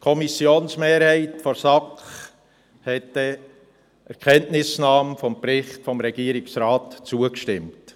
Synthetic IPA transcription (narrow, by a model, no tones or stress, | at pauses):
kʰɔmisjoːnsmeːɾhæɪtfɔɾsɑkχ | hɛtə | ɛɾkʰɛntnɪsnɑːmfɔmpɾɪχtfɔmɾɛɡ̥iːɾɪksɾaːtt͡suəkʃtɪmt